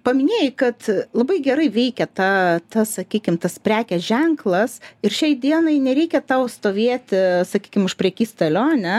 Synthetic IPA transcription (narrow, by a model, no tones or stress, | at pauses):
pɐmʲɪnʲeːjɪkɐt̪lˠɐbɐɪɡʲɛɾɐɪʋʲɛɪkʲɛt̪ɑːt̪ɐssɐkʲiːkʲɪmt̪ɐspʲɾʲæːkʲɛsʒʲɛŋklˠɐsɪrʃʲɛɪd̪ʲiɛnɐɪnʲɛɾʲɛɪkʲɛt̪ɑʊst̪oːʋʲiɛt̪ʲsɐkʲiːkʲɪmʊʃpʲɾʲɛkʲiːst̪ɐlʲoːnʲɛ